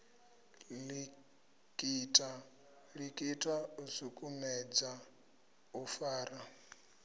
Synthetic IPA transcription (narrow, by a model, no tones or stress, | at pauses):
li | kʼitʼa | ɺikʼitʼausukʼumɛd͡za | ufaːɾa